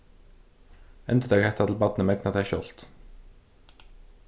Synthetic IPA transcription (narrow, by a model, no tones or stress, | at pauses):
ɛnd̪əd̪eːɡhɛt̪ɑt̪l̩bɑd̪nəmɛɡnɑt̪æʃɔ̰lt̪